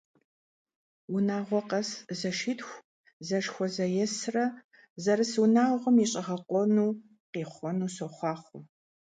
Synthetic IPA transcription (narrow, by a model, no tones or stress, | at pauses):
wʊnaːʁʷɔqɐszɐʃitxʷ | zɐʂxʷɔzɐjɛsrɐ | zɐɾɨswunaːʁʷɔmiɕʼɪʁɐqʷʼɔnuː | qiːχʷɔnuːsɔχʷɑːχʷʊ